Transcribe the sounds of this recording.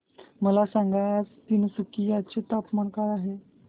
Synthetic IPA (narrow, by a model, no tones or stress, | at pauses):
məlasaŋɡajad͡zt̪inusukijat͡ɕet̪apmaɳkaɾaɦe